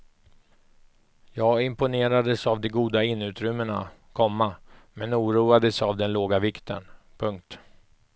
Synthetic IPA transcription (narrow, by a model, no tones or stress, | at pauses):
jɑːɡɪmpʊneːɾad̪əsavd̪ɛɡuːd̪aɪnːʉ̟ːt̪ɾʏmːəɳakʰɔmːamɛnuːɾuːad̪əsavd̪ɛnloːɡavɪkt̪ʰə̰n | pʰɵŋk̚t̪